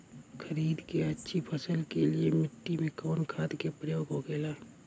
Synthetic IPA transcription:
kʰəɾiːd̪keɐtːʃʰipʰəsəlkelɪemɪʈːimẽkɔːnkʰaːd̪kepɾəjoːɡɦoɡeːlaː

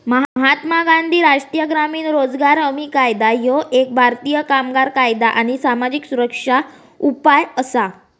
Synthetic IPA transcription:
məɦɦat̪maɡand̪ʱiːɾaʂʈijəɡɾamiːnɾod͡zɡaɾəmiːkajd̪ajoʔek̚bʱaɾt̪ijəkamɡaɾkajd̪aʔañisamad͡ʑiksuɾəkʂa | upajəsa

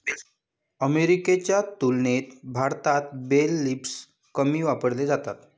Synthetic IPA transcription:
əmeɾiket͡ɕjat̪ulnet̪bʱaɾt̪at̪̚belːips | kəmiːʋapəɽled͡zat̪at̪

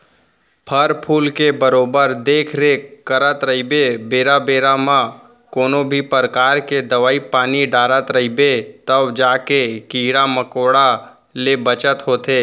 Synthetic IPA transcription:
pʰəɾpʰuːlkebəɾoːbəɾd̪eːkʰɾekəɾət̪ɾəɦibebeːɾabeːɾamã | koːnobʱipəɾkaːɾked̪əʋaːipaːniɖaːɾət̪ɾəɦibet̪əbd͡ʒaːkekiɽaməkoːɽa | lebət͡ʃət̪ɦoːt̪eː

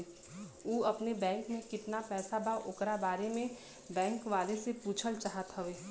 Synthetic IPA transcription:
uːɐpnebɛ̃ːŋkmẽkɪt̪napɛːsabaʔʊkɾabaːɾemẽ | bɛ̃ːŋkʋaːlesepuːt͡ʃʰəlt͡ʃaːɦət̪ɦəʋeː

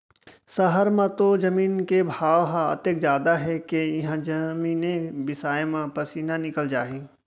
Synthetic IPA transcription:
sɐɦəɾmãt̪od͡ʒɐmiːnkebʱaːʋɦãɐ̰t̪ekzjaːd̪aɦɛkejɦãd͡ʒɐmiːnẽbɪsaːemãpɐsiːnanɪkəld͡ʒaːĩː

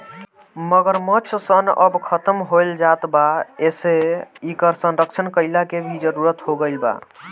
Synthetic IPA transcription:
məɡəɾmət͡ʃʰsənə̰bkʰət̪əmɦojld͡ʒat̪baeseikəɾsənɾəkt͡ʃʰənkəɪlakebʱid͡ʒəɾuɾət̪ɦoɡəɪlba̰

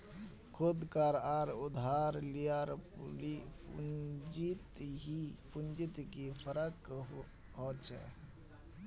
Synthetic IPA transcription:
kʰʊd̪kəɾaɾʊd̪ʱaɾlijaɾli | d͡ʒit̪ɦipund͡ʒit̪kipʰəɾək | ɦot͡ʃʰɛ̰

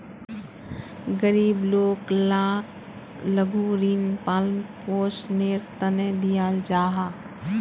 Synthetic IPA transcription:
ɡəɾiːbloːklãːk | ləɡʱuɾiːnpaːlmpoːsneːɾt̪ənẽd̪ijaːld͡ʒaːɦaː

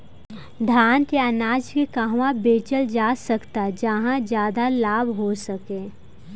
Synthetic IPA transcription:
d̪ʱaːnt̪eɐnaːd͡ʒkekaɦwãbeːt͡ʃəld͡ʒaːsɐkt̪ad͡ʒɐɦãd͡ʒjaːd̪alaːbɦosɐkẽː

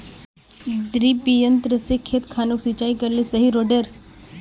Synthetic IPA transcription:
d̪ɾipijənt̪ɾəsekʰːet̪kʰanoksit͡ʃaːikəɾlesəɦiɾoɖəɾ

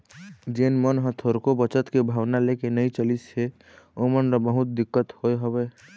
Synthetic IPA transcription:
d͡ʒenmənɦə̃t̪ʰoɾkobət͡ʃət̪kebʱaːʋnalekenəĩt͡ʃəlise | omənɾɔbəɦʊt̪̚d̪ɪkːət̪hoeɦəbe

